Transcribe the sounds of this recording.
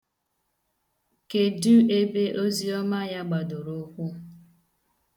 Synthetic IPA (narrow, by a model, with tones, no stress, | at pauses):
ke˨du˦e˦be˦ʔo˦zi˦ɔ˦ma˦ja˦ɡ͡ba˨dʊ˨ɾo˦kʷʊ˦